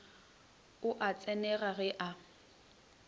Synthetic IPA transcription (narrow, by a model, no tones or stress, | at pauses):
ʊʔat͡sʼɛnɛɣaɣɛʔa